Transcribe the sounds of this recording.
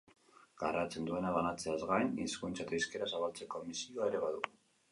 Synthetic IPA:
ɡ̥arat͡se̞nd̪ue̞naβanat͡se̞azɣajniskunt͡sat̪aiske̞ɾasaβalt͡se̞komisioaeɾe̞βaðu

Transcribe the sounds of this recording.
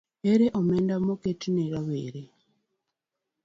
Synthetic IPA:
eɾɛʔɔmɛndamɔketinɛɾaβḛɾe

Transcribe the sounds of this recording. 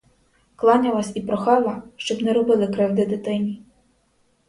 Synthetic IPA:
klˠɑnʲɐʋɑsʲipɾɔxɑlˠɐʃt͡ʃɔbnɛɾɔbɪlˠɪkɾɪwd̪ɪd̪ɪt̪ɪnʲi

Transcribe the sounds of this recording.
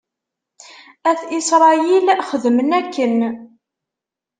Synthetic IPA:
æθisɾˤɑjilχəðmənækːən

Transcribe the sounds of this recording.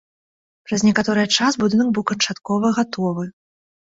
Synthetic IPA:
pɾɐznʲɛkat̪ɔɾɨjɐt͡ʂasbud̪ɨnɐɡ̚bɨwkɐnt͡ʂat̪kɔvɐɣat̪ʰɔvɨ

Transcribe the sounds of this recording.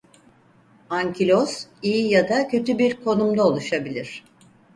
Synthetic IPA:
aɲcʰilʲozijijad̪acʰø̞t̪ybiɾkʰo̞numd̪ao̞lˠuʃabilʲiɾ̝̥

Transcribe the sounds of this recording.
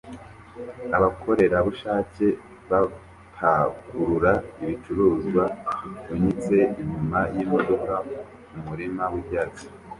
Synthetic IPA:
aβakʰo̞ɾe̞ɾaβuʃaːce̞ | βa | pʰaɡuɾuɾaiβit͡ʃuɾuːzɡwauɲit͡se̞iɲumajiːmbodo̞ka | mumuɾimawibjaːt͡si̥

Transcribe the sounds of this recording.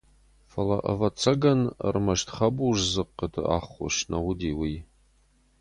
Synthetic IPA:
fɐlɐ̰ʔɐ̰vɐt͡sʰɐɡɐnə̰rmɐʃtʰχɐbuːʐzɨqːətʰɨʔa̰ːχʊ̰ʃnɐwʊdiːwiː

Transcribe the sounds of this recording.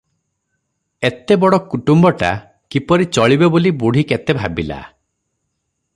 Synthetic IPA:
et̪ebɔɽɔkuʈumbɔʈa̰ | kipɔɾit͡ʃɔɭibebolibuɽ̤iket̪ebʱabila̰

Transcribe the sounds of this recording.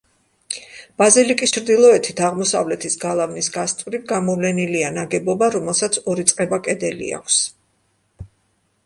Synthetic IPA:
b̥azilikʼist͡ʃʰɾd̪ilˠɔɛt̪ʰit̪ʰaʁmɔsa̰vlɛt̪ʰisɡalˠavnisɡast̪ʼvɾit̪̚ɡamɔvlɛnilianaɡɛbɔbaɾɔmɛlˠsat̪sʰɔɾit̪sʼqʼɛbakʼɛd̪ɛlḭa̰kʷʰs

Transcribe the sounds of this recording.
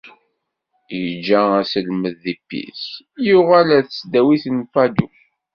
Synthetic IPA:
jəd͡ʒːææsəlməðːipːḭs | juʁalæθət͡sːd̪æwiθnfæd̪u

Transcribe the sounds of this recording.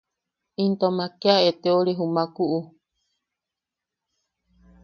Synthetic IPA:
int̪omãkeaet̪eoɾeɦumãkuʔu

